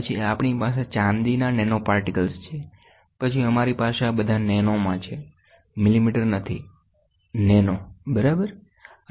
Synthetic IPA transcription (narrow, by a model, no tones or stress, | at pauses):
ət͡ʃʰiapɳipas̬et͡ʃãnd̪inanɛnopaɾʈikəlst͡ʃʰe | pət͡ʃʰiəmaɾipaʃabəd̪ʱanɛnomãt͡ʃʰe | mɪlimiʈəɾnət̪ʰi | nɛnobəɾabəɾ